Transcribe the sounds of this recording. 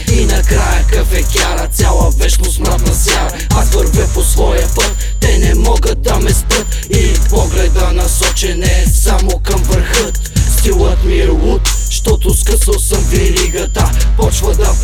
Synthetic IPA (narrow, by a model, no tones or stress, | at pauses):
inɐkɾajəkəfɛkʲaɾət̪sʲjalˠəvɛʃnosməɾt̪nɐsaɾ | ɐvəɾvɛposvɔjəpət̪ːɛnɛmɔɡət̪̚d̪ɐmɛspət̪ | ipɔɡlɛd̪ənɐsɔt͡ʃɛnɛsamokɐmvəɾxət̪st̪ilˠət̪miɛlˠut̪ | ʃt̪ɔt̪oskəsəlˠsɐmɡliɾiɡɐt̪əpɔt͡ʃvəd̪ɐ